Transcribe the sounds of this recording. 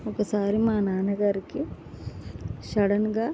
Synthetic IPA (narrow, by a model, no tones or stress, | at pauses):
okesaːɾemaɦanaːnəɡəɾke | ʃɐɽənɡa